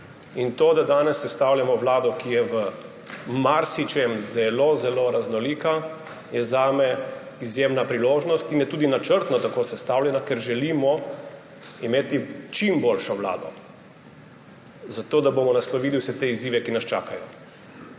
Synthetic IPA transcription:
int̪oːd̪ad̪aːnɛsːɛst̪awljamɔʋlaːd̪ɔkijɛʋə | maɾsit͡ʃɛmzɛlozɛloɾaznɔliːka | jɛzaːmɛ | izjemnapɾiloːʒnɔst̪injɛt̪uːd̪inat͡ʃəɾt̪nɔt̪akoːsɛst̪awlʲjɛnakɛɾʒɛliːmɔ | imeːt̪it͡ʃimbolʃɔʋla̰ːd̪ɔ̰ | zat̪oːd̪abomɔnaslɔʋiːd̪iwsɛt̪eiziːʋɛkinast͡ʃa̰ːkajɔ

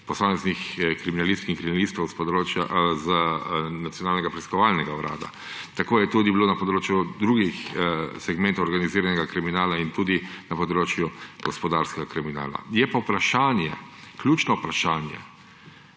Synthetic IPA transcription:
pɔsaːmɛznixkɾiminalist̪kiŋkɾiminalist̪ɔʊsɾoːaz | nat̪sjɔnaːlnɛɡapɾiskɔʋaːlnɛɡawɾʔa̰ːd̪a̰ | t̪akoːjɛt̪ud̪ibiloːnɐpɔd̪ɾoːt͡ʃjud̪ɾuːɡixsɛɡmɛnt̪ɔʊɔɾɡaniziːɾanɛɡakɾiminaːlaint̪uːd̪inapɔd̪ɾoːt͡ʃjuɡ̥ɔspɔd̪aɾskɛɡakɾimina̰ːla̰jɛpawpɾaʃaːnjɛkljuːt͡ʃnɔupɾaʃaːnjɛ̰

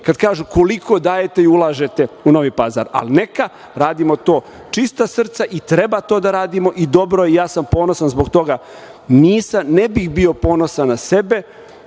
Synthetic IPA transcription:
kad̪kaːʒuko̞likʰo̞d̪aːje̞t̪e̞iulˠaːʒet̪e̞uno̞ʋiːpaza̰ɾa̰lneka | ɾaːd̪imo̞t̪o̞ː | t͡ʃist̪asr̩t̪saʔit̪ɾe̞bat̪o̞ːd̪aɾaːd̪imo̞ʔid̪o̞bɾo̞jeejaːsampo̞ːnosanzboɡt̪o̞ɡa | niːsamnebixbio̞po̞ːno̞sanase̞be̞

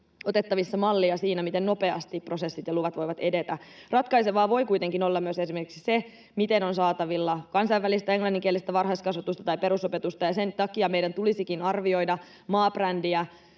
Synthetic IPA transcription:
ot̪e̞t̪ːɑʋisːɑmɑlːiɑsiːnæmit̪e̞nno̞pe̞ɑst̪ipro̞se̞sːit̪jɑluʋɑt̪ʋo̞jʋɑt̪e̞de̞t̪ærɑt̪kɑjseʋɑːʋo̞jkujt̪e̞ŋkino̞lːɑmyøse̞simerkiksi̥se̞ | mit̪e̞no̞nsɑːt̪ɑʋilːɑkɑnsɑjʋælist̪æe̞ŋlɑnːiŋk̟ielːˑist̪æʋɑrɦɑist̪kɑsʋɑt̪ust̪ɑ̥t̪ɑjpe̞ɾusope̞t̪ust̪ɑjɑse̞nt̪ɑkiɑme̞jdænt̪ulisikinɑrʋio̞jdɑ | mɑːb̥rændiæ

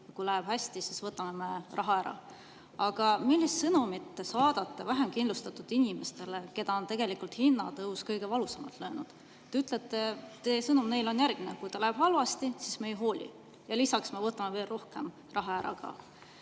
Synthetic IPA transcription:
jɑkujlæeb̥hæsʲt̪isisvɤt̪ːˑɑmeme̞rʔɑɦɑæɾɑ̰ | ɑɡ̥ɑmilʲːist̪sɤnumit̪ːe̞sɑːd̪̥ɑt̪ːevæɦe̞mkind̪lust̪ɑt̪ːud̪̥inʲime̞st̪e̞leke̞d̪ɑo̞nt̪e̞ɡ̥e̞likult̪hinːɑt̪ɤuskɤjɡ̥e̞vɑlusemɑlt̪løːnud̪̥ | t̪ːeyt̪ːˑlet̪ːe̞t̪esɤnumne̞jlo̞njærɡminekujt̪ɑlæeb̥ɦɑlvɑst̪isisme̞jɦo̞ːlʲḭ | jɑlisɑksmevɤt̪ːˑɑmeveːlro̞hke̞m | rɑɦɑæɾɑ̰kɑ̰

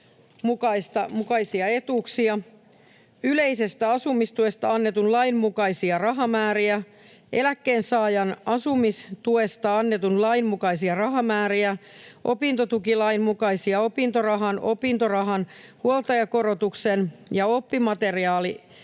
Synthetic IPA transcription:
mukɑist̪ɑmukɑisiɑe̞t̪uːksiɑ | yle̞ise̞st̪æɑsumist̪ue̞st̪ɑɑnːet̪unlɑimmukɑisiɑrɑɦɑmæːɾiæ | ʔe̞lækːeːnsɑːjɑnɑsumist̪ue̞st̪ɑɑnːet̪unlɑimmukɑisiɑrɑɦɑmæːɾiæʔo̞̰pint̪o̞t̪ukilɑimmukɑisiɑo̞pint̪orɑɦɑnʔo̞̰pint̪orɑɦɑnhuolt̪ɑjɑko̞ɾo̞t̪uksenjɑo̞pːimɑt̪e̞riɑːli

